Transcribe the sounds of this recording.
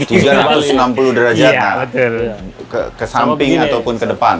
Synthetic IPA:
t̪ud͡ʒuaɾat̪ʊsənampuludəɾad͡ʒakaəkəkəsampɪŋŋat̪awpʊnkədəpan

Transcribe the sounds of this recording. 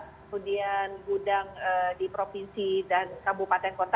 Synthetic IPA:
kəmudianɡudaŋədipɾofinsidankabupat̪ɛnkɔnt̪

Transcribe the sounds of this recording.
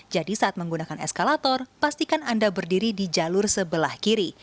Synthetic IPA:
d͡ʒadisaat̪̚məŋɡunakanɛ̰skalat̪ɔrpast̪ikanandabərdiɾidid͡ʒalʊrsəbəlahkiɾi

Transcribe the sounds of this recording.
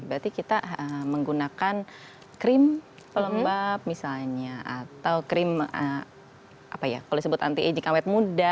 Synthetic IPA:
bɾat̪ikit̪aəməŋɡunakan | kɾɪm | pələmbap̚misalɲaʔat̪awkɾɪmə | ʔa̰paja̰kaloisəbʊt̪a̰nt̪ied͡ʒikawɛt̪̚muda

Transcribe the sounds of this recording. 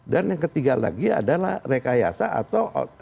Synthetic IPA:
danjaŋkət̪iɡala̰ɡia̰dalahrekaja̰saa̰t̪awʔ

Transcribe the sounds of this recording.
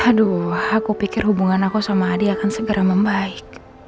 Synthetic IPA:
adɔhakupikɪrɦubuŋanakusamaːdiakansəɡəɾaməmbaik̚

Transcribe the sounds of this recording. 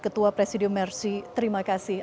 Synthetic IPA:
kət̪uapɾesidiʊmːɛrsit̪əɾimakasɪh

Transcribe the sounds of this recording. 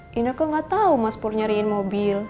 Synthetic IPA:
ʔinəkaŋɡat̪aumaspurɲaɾiɪnmobil

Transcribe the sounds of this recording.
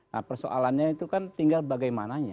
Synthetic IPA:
na̰hpərso̰ʔa̰lanɲait̪ukant̪iŋɡalbaɡajmanaɲa

